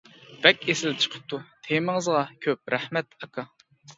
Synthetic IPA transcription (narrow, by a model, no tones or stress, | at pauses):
b̥ɛkʲesɪlt͡ʃʰə̥qʰə̥p̚t̪ʰut̪ʰemɪŋəzʁɑkʲʰøp̚ɾæhmɛt̪ɑkʰɑ